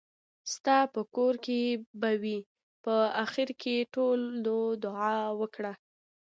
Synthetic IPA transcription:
st̪ɑpəkoɾkebawi | pəaxɪɾkʰeʈold̪od̪ʊʕɑwəkɽa

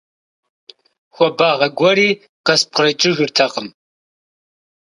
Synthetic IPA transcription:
xʷɔbaːʁɐɡʷɔriː | qɐsp̚qrɐjt͡ʃʼɪʒɪrtʰɐqəm

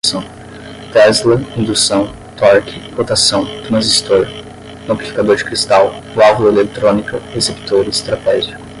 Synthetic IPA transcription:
sɐ̃w̃ | t̪ɛzleĩd̪usɐ̃w̃ | t̪ɔɾkɪɾot̪asɐ̃w̃t̪umɐ̃zist̪oɾ | noki̥fi̥kad̪oɾd͡ʒɪkɾist̪aw | lavlɐelek̚t̪ɾõnikɐhesept̪oɾɐist̪ɾat̪ɛʒik

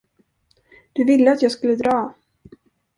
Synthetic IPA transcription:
d̪̥ɵvɪlːəat̪jɑːɡskɵlːəd̪ɾɑː

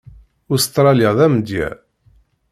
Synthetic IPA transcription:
ʊst̪ɾˤɑljaðæmd̪jæ̰

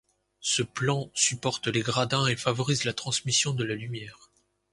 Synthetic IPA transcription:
səplɑ̃sypɔʁt̪leɡʁad̪ɛ̃efavɔʁizlat̪χɑ̃smisjɔ̃d̪əlalymjɛːʁ

